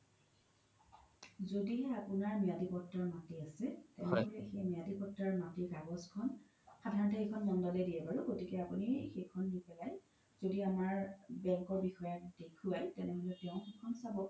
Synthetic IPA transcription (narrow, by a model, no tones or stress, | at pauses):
zodiɛapʊnaɹmijadipɔtːaɹmatiasɛtɛnɛɦolɛxejmijadipɔtɹaɹmatiɹkaɡɔskʰɔn | xadʱaɹɔntɔxekʰɔnmɔndɔlɛdiɛpaɹʊɡotikɛapunixekʰɔnːipɛlaj | z̥odiamaɹbɛŋkɔɹbixɔjakdekʰuajtɛnɛɦolɛtɛ̃ʊ̃xekʰɔnsabɔ